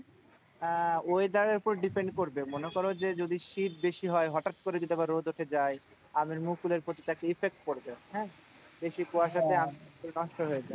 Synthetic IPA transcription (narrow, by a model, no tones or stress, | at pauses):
ojd̪aɾeɾpoɾɖipeɳɖkoɾbemonekɔɾod͡ʑed͡ʑod̪iʃit̪̚beʃiɦɔeɦɔʈat̪koɾed͡ʑod̪iɛbaɾːod̪oʈʰed͡ʑaj | amiɾmukuleɾpot̪it̪akeifek̚ʈ̚koɾbehɛ̃ | beʃikoaʃat̪ʰeamikuɾenɔʃʈoɦoed͡ʑaj